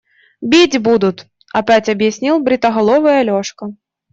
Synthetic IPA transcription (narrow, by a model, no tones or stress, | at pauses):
bʲid͡zʲbud̪ut̪ | ɐpʲat͡sʲɐbjasʲnʲilˠbɾɪt̪ɐɦɐlˠɔvɐjɐlʲɔʂkɐ